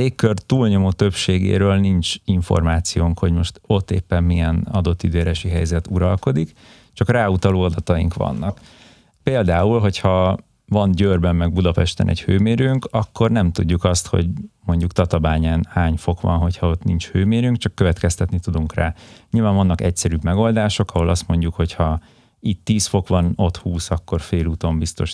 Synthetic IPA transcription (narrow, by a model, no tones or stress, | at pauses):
eːkːørt̪uːlɲo̞moːt̪øpʃeːɡḛːɾøːlnint͡ʃiɱfo̰rmaːt̪sijoːŋkho̞ɟmo̞ʃt̪o̞t̪ːḛːpːɛmːijɛnɒ̰d̪o̞t̪ːid̪øːɾɛʃiɦɛjzɛt̪uɾɒlko̞d̪ik | t͡ʃɒkraːut̪ɒloːɒd̪ɒt̪ɒḭŋkʋɒ̰nːɒk | peːld̪aːulɦo̞chɒ | vɒnɟøːrbɛmːɛɡ̚bud̪ɒpɛʃt̪ɛ̰nʔɛ̰chøːmeːɾyŋkɒkʰːo̞rnɛmt̪uɟːukɒst̪ho̞̰ɟmo̞ɲɟukt̪ɒt̪ɒbaːɲanhaːɲfo̞kʋɒ̰nɦo̞cʰhɒo̞t̪nint͡ʃhøːmeːɾyŋkt͡ʃɒkːøvɛt̪kɛst̪ɛt̪nit̪ud̪uŋkraːɲilvaːɱvɒnːɒkɛcsɛɾybmɛɡo̞ld̪aːʃo̞kɒɦo̞lɒst̪mo̞ɲɟukho̞chɒ | it̪ːiːsfo̞kʋɒno̞t̪huːsɒkːo̞rfeːluːt̪o̞mbist̪o̞̰ʃ